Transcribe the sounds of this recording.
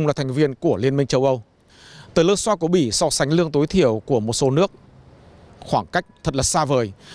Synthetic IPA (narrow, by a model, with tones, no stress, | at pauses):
ŋ͡mlaː˨˩t̪ʰŋ̟vi˧ənku˧˩əli˧ənmï˧ŋ̟t͡ɕə˧wʔə˧w | t̪əː˨˩jləː˧nswaː˧ku˧˩əɓi˧˩sɔ˧sa˨˦ŋ̟lɨ˧əŋt̪o˨˦jt̪ʰi˧˩˨əwku˧˩əmo˨˩t̚so˨˦nɨ˦˥ək̚ | xwaː˧˩ŋka˦˥jk̟̚t̪ʰə˨˩t̚la˨˩saː˧vəː˨˩j